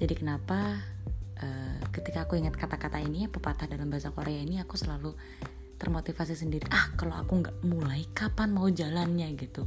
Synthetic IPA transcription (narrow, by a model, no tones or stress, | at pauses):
d͡ʒadikənapa | ʔəːkət̪ikaːkuiŋat̪̚kat̪akat̪ainiapəpat̪ahdalambaɦasakoɾeainiakusəlalu | t̪ərmot̪ifas̬is̬əndiɾiʔahkaloa̰kuŋɡaʔmulaikapanmaud͡ʒalanɲaɡit̪u